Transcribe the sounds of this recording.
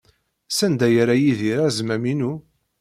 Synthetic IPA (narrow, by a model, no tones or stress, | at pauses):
sænd̪æjəɾajiðiɾazmæminu